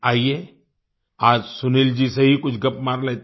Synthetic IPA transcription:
aːieː | aːd͡ʒsʊniːld͡ʒisɐɦikʊt͡ʃʰɡɐpmaːɾleːt̪

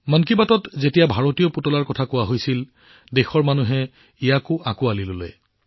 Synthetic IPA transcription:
mankibatɔtzetijabʱaɹotiɔputɔlaɹkɔtʰakʊaɦojsil | dexɔɹmanuɦɛ | ijakʊakʊalilolo̰j

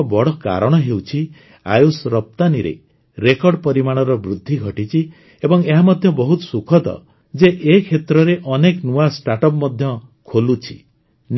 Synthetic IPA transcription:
bɔɽ̤ɔka̰ɾɔɽ̃ɔɦewt͡ʃʰi | a̰jusɾɔp̚t̪aniɾḛ | ɾekɔɾɽpɔɾimaɽ̃ɔɾɔbɾud̪ʱːiɡʱɔʈit͡ʃʰi | ebɔŋeɦamɔd̪ʱjɔbɔɦut̪ɔ̥sukʰɔd̪ɔ̰ | d͡ʒeʔekʰet̪ɾɔɾeʔɔneknuasʈaʈɔpmɔd̪ʱjɔ | kʰolut͡ʃʰi̥ | n

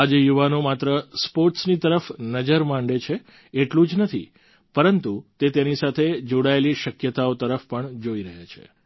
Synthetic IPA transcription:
ad͡ʒejuʋanomat̪ɾəspoɾʈsnit̪əɾəfnəd͡ʒəɾmãɳɖet͡ʃʰe | eʈlũd͡ʒnət̪ʰḭ | pəɾənt̪ut̪et̪enisat̪ʰed͡ʒoɽaeliʃəkjət̪aot̪əɾəfpəɳd͡ʒoiɾəɦat͡ʃʰḛ

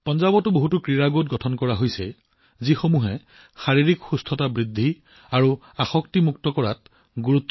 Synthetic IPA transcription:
pɔnzabɔtʊboɦutukɹiɹaɡot̚ɡɔtʰɔnkɔɹaɦojsɛ | zixomuɦɛ | xaɹiɹikxustʰɔtabɹidʱːi | aɹu | axɔktimuk̚tɔkɔɹat | ɡuɹut̪ː

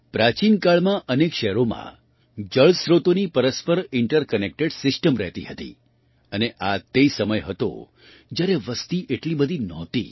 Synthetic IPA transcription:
pɾat͡ʃinkaɭmãʔənekʃɛɦɾomã̰ | d͡ʒəɭsɾot̪onipəɾəspəɾɪɳʈəɾkənek̚ʈeɖsɪsʈəmɾɛ̰ɦt̪ḭɦət̪ḭ | əneʔat̪eisəməjɦət̪o̰ | d͡ʒjaɾeʋəst̪iʔeʈlibəd̪ʱinɔt̪ḭ

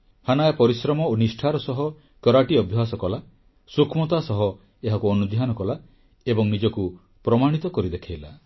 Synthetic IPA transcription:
hanajapɔɾisɾɔmɔonisʈʰaɾɔsɔɦɔ | kjɔɾaʈiɔbʱjɔɦasɔkɔla | sukʰmɔt̪asɔɦɔ | eɦakuɔnud̪ʱjanɔkɔla | ebɔŋnid͡ʒɔku | pɾɔmaɽ̃it̪ɔkɔɾid̪ekʰajla

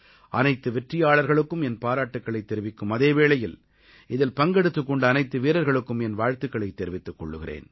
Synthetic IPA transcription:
ʔɐnɐɪt̪ːɯʋɛʈrɪjaːɭɐɾɣɐɭɯkːɯmɛnpaːɾaːʈːɯkːɐɭɐɪt̪ːɛɾɪʋɪkːɯmɐðeːʋeːɭɐjɪl | ɪðɪlpɐŋɡɛɽɯt̪ːɯkːɔɳɖɐɐnɐɪt̪ːɯʋiːɾɐɾɣɐɭɯkːɯmɛnʋaːɻt̪ɯkːɐɭɐɪt̪ːɛɾɪʋɪt̪ːɯkːɔɭːɯɣɪrḛːn

